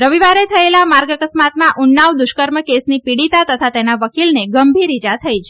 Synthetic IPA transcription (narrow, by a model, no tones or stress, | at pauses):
ɾəʋiʋaɾet̪ʰəelamaɾɡəkəsmat̪mãʔʊnːaʋd̪ʊʃkəɾməkesnipiɽit̪at̪ət̪ʰat̪enaʋəkilneɡəmbʱiɾid͡ʒat̪ʰəjt͡ʃʰe